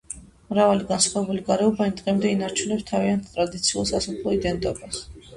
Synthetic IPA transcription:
mɾavaliɡansχaɛbuliɡaɾɛɔbaind̪ʼqʼɛmd̪ɛinaɾt͡ʃʰunɛpst̪ʰaviant̪ʰt̪ʼɾad̪it̪sʰiulˠsasɔpʰlˠɔid̪ɛnt̪ʼɔbas

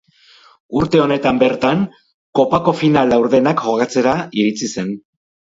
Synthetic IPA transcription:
uɾt̪e̞o̞ne̞t̪ambe̞ɾt̪aŋ | ko̞pako̞finalawɾðe̞nakxo̞ɣat͡se̞ɾaiɾit͡sise̞n

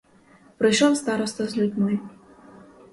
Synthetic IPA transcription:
pɾɨjʃɔwst̪aɾɔst̪ɔzʲlʲud̪ʲnɔj

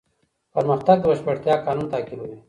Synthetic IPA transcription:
pɐɾmɐxt̪aɡ̚bɐɕpɐʈt̪jaːkaːnuːnt̪aːkilule

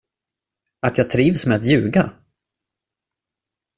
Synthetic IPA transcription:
at̪jɑːt̪ʰɾiːvsmɛjat̪jʉ̟ːɡa

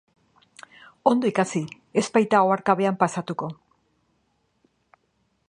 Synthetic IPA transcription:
o̞nd̪oikasi | e̞spajt̪aoaɾkaβe̞ampasat̪uko̞

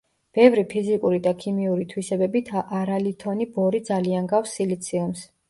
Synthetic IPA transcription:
b̥ɛvɾipʰizikʼuɾid̪akʰimiuɾit̪ʰwisɛbɛbit̪ʰʔaɾalit̪ʰɔnibɔɾid̪zalianɡafsilit̪sʰiums

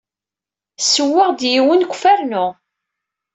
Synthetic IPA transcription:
sːəwːɪʁd̪jiwənkʷːfæɾnʊ

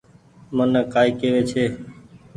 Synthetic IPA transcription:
mənkaːiːkeːʋeːt͡ʃʰeː

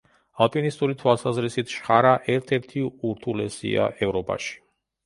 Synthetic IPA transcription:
alˠpʼinist̪ʼuɾit̪ʰwalˠsazɾisit̪ʰʃχaɾaʔɛɾt̪ʰɛɾt̪ʰiuɾt̪ʰulɛsḭa̰ʔɛvɾɔpʼa̰ʃi̥

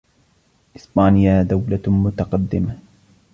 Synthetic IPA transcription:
ʔɪsbaːnɪjad̪awlamʊt̪ɑqɑd̪ːɪma

